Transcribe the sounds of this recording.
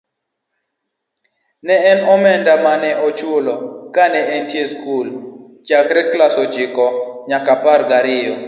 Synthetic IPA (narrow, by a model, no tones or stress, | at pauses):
nɛɛnɔmɛndamanɛʔɔt͡ʃwolɔkanɛɛntjeskul | t͡ʃakɾɛklasɔd͡ʒɪkɔɲakapaɾɡaɾɪɔ